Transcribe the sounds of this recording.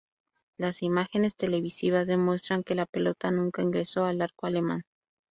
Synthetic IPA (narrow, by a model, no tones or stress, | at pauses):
lasimaxe̞ne̞st̪e̞le̞βisiβazðe̞mwe̞st̪ɾaŋke̞lape̞lo̞t̪anũŋkaiŋɡɾe̞so̞alaɾkoale̞mã̰n